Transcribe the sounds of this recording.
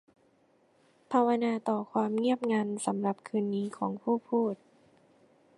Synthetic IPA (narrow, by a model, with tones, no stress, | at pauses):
pʰa˧wa˧naː˧t̪ɔː˨˩kʰwaː˧mŋi˥˩əp̚ŋaː˧nsa˩˦mɾa˨˩p̚kʰɯː˧nːiː˦˥kʰɔː˩˦ŋpʰuː˥˩pʰuː˥˩t̪̚